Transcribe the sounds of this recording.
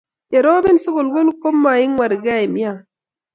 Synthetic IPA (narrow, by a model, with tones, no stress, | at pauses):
e˨ɾo˦bɪ˦nso˦ko˨lɡo˦lko˦mːa˨ɪ˦ŋwa˨ɾɡa˦˨e˨mja˦˨